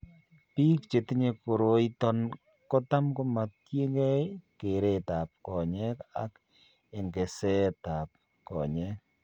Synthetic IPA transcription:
pi˦k̚t͡ʃe˨ti˦ɲe˨ko˨ɾo˨˦i˦tɔ˦n | kɔ˦ta˦mko˦ma˨tje˦ŋɡɛ˦ke˨ɾe˦ta˨p̚kɔ˨ɲɛ˦ka˦k | e˨ŋɡe˨sɛ˦ta˨p̚ | kɔ̰˨ɲɛ˦k̚

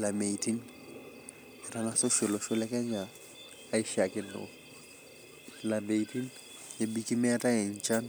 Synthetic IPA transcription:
la˨me˨itʰʼi˦n | ɪ˨ra˦ŋasʊ˦ʃɪ˨lɔ˨ʃʊ˦lɛ˦kʼɛ˦ɲaː˦ | i˦ʃa˨kʼɪ˦n̩ʊ̰˦ | la˨me˨i˨tʼi˦n | jɪ˨bi˦kʼi˦mɛ˦tʼa˦ɪ˨ɲ̩˦t͡ʃʼa˦n

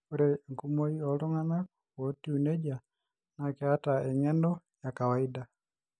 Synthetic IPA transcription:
oɾeŋ˨ku˦mo˦iɔ˨lʊ˦ŋa˦nak̚ | wo˨ti˦u˨ne˦d͡ʒa | na˨ke˦atae˨ŋɛ˦ndɔ˦ | jaka˨wa˨i˦da˨

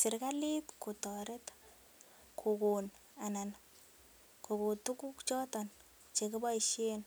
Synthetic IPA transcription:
sɪ˨ɾka˦li˦tku˨tɔɾe˦t | kʰu˨kun | a˨na˨n | ko˨ku˨tu˦ku˦kt͡ʃɔ˦tɔn | t͡ʃe˨ku˦ba˦iʃen

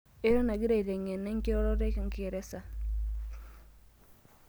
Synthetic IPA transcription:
e˦ɾɔ˦na˨ɡi˦ɾa˦˨i˨ɾɛ˨ŋɛ˨nːɛ˦ŋki˦ɾɔ˦ɾɔ˦ɾe˦kŋki˦ɛ˨ɾɛ˦sa˨

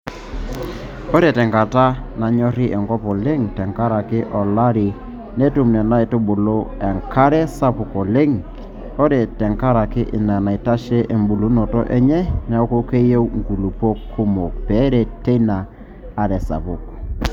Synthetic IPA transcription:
o˦ɾɛ˨tɛ˨ŋka˨ta˦na˨ɲɔ˦ɾɪ˦ʔɛ˨ŋkɔ˦pɔ˨le˦ŋtɛ˨ŋka˦ɾa˨kɪ˦ʔɔ˨la˦ɾɪ˨ | ne˦tu˨mnɛ˨na˦e˨tʊ˦ɓʊ˨lo˦ɛ˨ŋkʰa˦ɾɛ˦sa˦pʊ˨kɔ˨le˦ŋ | o˦ɾɛ˨tɛ˨ŋka˦ɾa˨kɪ˦ʔɪ˨na˨na˨i˨ta˦ʃɛ˦ʔe˨mbu˨lu˦nɔ˨tɔ̰˦ʔɛ˦ɲɛ˦nɛ˨ɔ˦ko˦ke˦je˦wŋɡu˨lu˨po˦kːʊ˦mo˨k̚pɛ˨˦ɾɛ˨te˦naː˨ | ɾɛ˨sa̰˨pʊ˨kɔ̥˨

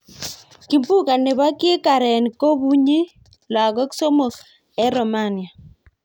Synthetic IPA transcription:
ki˨mpu˦ka˨ne˨ba˦ke˦ka˨ɾɛ˨n˨ko˦bu˦ɲi˦ | la˨ɡɔ˦kso˦mo˨ | ɛ˦ɾɔ˨ma˦˨nɪ˨a˨

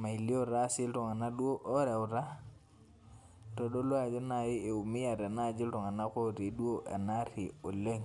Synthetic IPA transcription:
ma˨i˨li˦o˦ɾa˦si˦ltɔ˨ŋa˨na˦du˦o˦ʔo˦ɾa˨u˨ɾa˦ | to˨ɗo˦lwa˦˨d͡ʒo˦na˨ji˦e˨u˨mi˦ja˨ɾa˨na˦˨d͡ʒi˦ltɔ˨ŋa˨na˦ko˦ɾi˨du˦o˦ʔa̰˨na˦ɾi˨o˨le˦ŋ

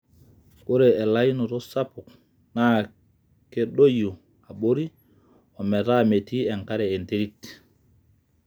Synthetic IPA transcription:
ɓo˦ɾe˨ɛ˨la˦jnɔ˨tɔ˦sa˦pu˨k | na | ke˦ɗo˦ju˨ | a˨ɓo˦ɾi˦ | ɔ˨mɛ˨ɾa˦me˨ti˦ɛ˨ŋka˦ɾɛ˨e˨nte˦ɾi˦t

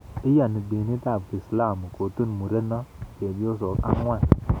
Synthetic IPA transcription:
i˦ja˨ni˨be˨ni˦ta˦˨ki˨sla˦˨mu˨ko˨tu˦n˨mu˨ɾe˦na˦˨ke˨bi˦o˦s̬o˨ka̰˦ŋ˦a˦˨

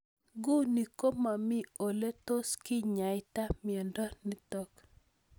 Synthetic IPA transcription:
ɡu˦ni˨ko˦ma˨mɪ˦o˨le˦to˦skɪ˦ɲa˨ɪ˦ta˦mjɛ˨ndɔ˦ni˦t̪ɔ˦k

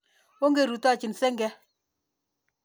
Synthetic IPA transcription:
wo˦ŋɡe˨ɾu˨ta˦˨t͡ʃɪ˨nsɛ˦ŋɡɛ˦

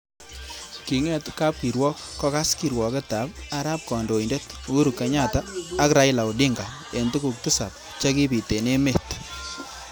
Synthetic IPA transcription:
ki˨ŋɛ˦tka˦p̚ki˨ɾwɔ˦k̚ːɔ˦ka˦ski˨ɾwɔ˨kɛ˦ta˨pa˦ɾa˦p̚kɔ˨ndo˨i˨nde˦tu˦ɾu˨kːa˨ɲa˦taː˦kɾa˨˦ɪla˨wdɪ˦ŋɡa˨ | e˨ntu˦ku˨k̚tu˦sa̰˨p̚ | t͡ʃa˦ki˦pi˨te˨ne˦me˨t

